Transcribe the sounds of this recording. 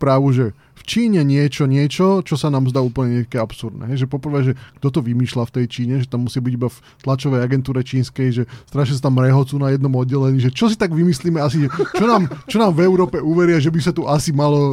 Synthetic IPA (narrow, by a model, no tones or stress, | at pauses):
pɾaːʋuʒɛ | ft͡ʃiːɲɛɲɪɛt͡ʃɔɲɪɛt͡ʃɔt͡ʃɔsanaːmzd̪aːuːpl̩ɲɛɲɛkɛapsuɾd̪nɛ̰ɦɛjʒɛpɔpr̩ʋɛːʒɛɡ̥d̪ɔt̪ɔʋimiːʃlaft̪ɛjt͡ʃiːɲɛʒɛt̪amːusɪabiɟibaf | t̪lat͡ʃɔʋɛjaɡɛnt̪uːɾɛt͡ʃiːnskɛjʒɛst̪ɾaʃas̬at̪amːɾɛɦɔt͡suːnajɛd̪nɔmɔd̪̚ɟɛlɛɲiːʒɛt͡ʃɔsit̪aɡʋimisliːmɛasiʒɛt͡ʃɔnaːmt͡ʃɔnaːmvɛʊɾɔːpɛuʋɛɾɪaʒɛbisat̪uʔasimalɔ